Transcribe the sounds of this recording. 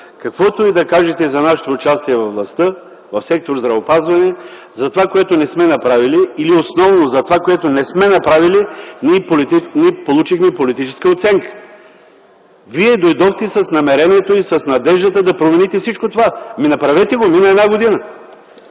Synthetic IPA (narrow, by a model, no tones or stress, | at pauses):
kɐkvɔt̪oid̪ɐkaʒɛt̪ɛizɐnaʃɛ̥t̪oːt͡ʃast̪iɛvɐvvlˠɐst̪ɤ | vɐfsɛk̚t̪oɾzd̪ɾɐvopazvɐnɛ | zɐt̪ovakoɛt̪onɛsmɛnɐpɾaviliːliosnɔvnozɐt̪ovakoɛt̪onɛsmɛnɐpɾavilinʲipolt̪inipolˠut͡ʃixmɛpolit̪it͡ʃɛ̥skəot̪sɛŋkə̥ | viɛd̪ojd̪ɔxt̪ɛsɐsnɐmɛɾɛniɛt̪oisɐsnɐd̪ɛʒd̪ət̪əd̪ɐpɾomɛnit̪ɛfsit͡ʃkot̪ovaminɐpɾɐvɛt̪ɛɡominəɛd̪naɡod̪inə